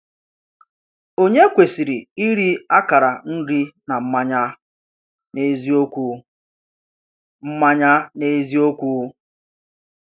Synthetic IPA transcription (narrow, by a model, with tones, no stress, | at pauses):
o˦ɲe˦kʷe˨si˨ɾi˨i˦ɾi˦a˦ka˨ɾa˨n̩˦di˦na˨m̩˦ma˦ɲa˦ | ne˦zi˦o˦kʷu˦ | m̩˦ma˦ɲa˦ne˦zi˦o˦kʷu˦